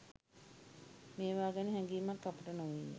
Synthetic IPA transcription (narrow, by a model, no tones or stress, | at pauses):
meːʋaːɡəniɦɛŋɡiːmakːapuʈənoʋinːe